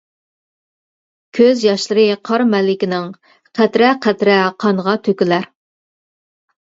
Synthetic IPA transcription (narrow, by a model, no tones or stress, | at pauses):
kʲʰøzjɑʃlˠəɾɨqʰɑɾmɛlɪkʲɪnɪŋ | qʰɛt̪ɾɛqʰɛt̪ɾɛqʰɑŋʁɑt̪ʰøkʲɪlæɾ